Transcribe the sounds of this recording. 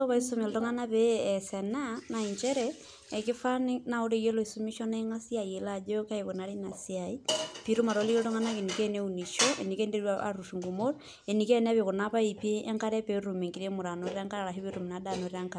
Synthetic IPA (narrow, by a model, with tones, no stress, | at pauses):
o˦βa˨iso˦me˨lto˦ŋa˦na˦βeːsenana˨iɲt͡ʃe˦ɾɛː˨ | ki˦fa˦ni˦na˨o˦ɾe˦je˦lo˨i˨somi˦ʃo˦neŋa˦si˦a˨ie˨lad͡ʒo˦ka˦eko˨naɾi˦na˨siai˦pi˦ɾu˦ma˨ɾo˨li˦ke˦to˦ŋa˦na˦ke˨nike˦neuni˨ʃoʔḛ˨ni˨ke˦nde˦ɾwaa̰ɾu˨ʃu˨ŋɡu˨mo˦ɾ | e˨ni˨ke˦n˦a˦βe˨ɣonaβa˦i˨peː˦ŋka˦ɾɛ˦pe˦ɾu˨me˨ŋɡi˨ɾe˦mu˨ɾa˨no˨ɾeɾa˦ŋka˦ɾa˨ɾa˨ɦi˦βe˦ɾu˨mi˨na˨dano˨ɾeɾa˦ŋka